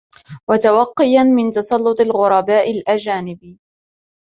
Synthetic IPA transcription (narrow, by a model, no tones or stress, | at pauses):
wat̪awɑqːɪjanmɪnt̪ɑsˤɑlːʊt̪ˤɪlɣʊɾˤɑbaːʔɪlʔad͡ʒaːnɪb